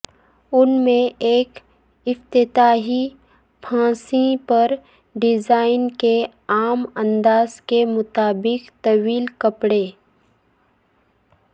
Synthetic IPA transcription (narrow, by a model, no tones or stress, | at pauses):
ʊnmẽeːk | ɪft̪ɪt̪aːɦi | pʰãːsĩpɐɾ | ɖɪzaːɪnke | aːmə̃nd̪aːzkemʊt̪aːbɪkt̪ɐʋiːlkɐpɽeː